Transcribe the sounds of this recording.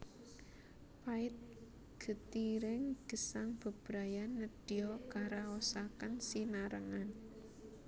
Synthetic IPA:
paɪt̪̚ | ɡ̥ə̤t̪iɾɪŋɡ̥ə̤saŋb̥ə̤b̥ɾa̤janːəd̥iɔkaɾaosakənsinaɾəŋan

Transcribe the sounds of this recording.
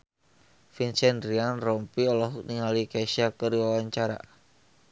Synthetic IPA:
finsɛndɾianrɔmpiɔlɔɦuk̚niŋalikaisiakəɾiwawaɲt͡ʃaɾa̰

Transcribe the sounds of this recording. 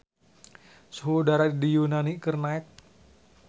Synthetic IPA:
səɦodaɾadijunanikərnaɪt̪̚

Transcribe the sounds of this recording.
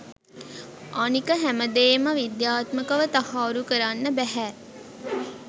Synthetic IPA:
ʔanikəɦæməd̪eːməʋid̪jaːt̪məkəʋət̪ahaːɾukəɾanːəbæɦæː

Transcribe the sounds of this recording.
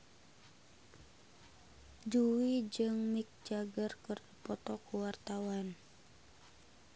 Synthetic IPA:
d͡ʒuwid͡ʒɨŋmik̚d͡ʒaɡərkərəpɔt̪ɔkuwart̪awan

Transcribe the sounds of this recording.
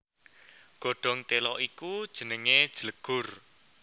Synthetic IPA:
ɡ̥o̤ɖ̥ɔ̤ŋt̪elɔʔikud̥ʒ̥ə̤nəŋed̥ʒ̥ələɡ̥ʊ̤r

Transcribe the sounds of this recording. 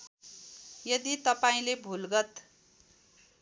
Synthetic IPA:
jʌd̪it̪ʌpaĩlebʱulɡʌt̪

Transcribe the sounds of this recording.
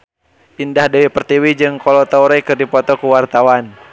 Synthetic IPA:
ʔindahdɛwɛpərt̪iwid͡ʒɨŋkɔlɔt̪auɾɛkɨrdipɔt̪ɔkuwart̪awan

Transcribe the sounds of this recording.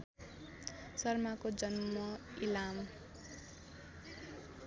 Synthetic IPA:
sʌrmakod͡zʌnmmʌilam

